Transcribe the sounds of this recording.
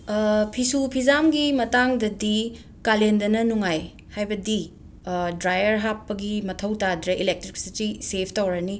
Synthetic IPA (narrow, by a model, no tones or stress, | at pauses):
pʰisupʰizamɡimɐtaŋdɐdi | kalendɐnɐnuŋaj | hajbɐdi | dɾajɐɾɦapːɐɡimɐtʰɐwtadɾɐʔilek̚tɾiksitisepʰtɐwɾɐni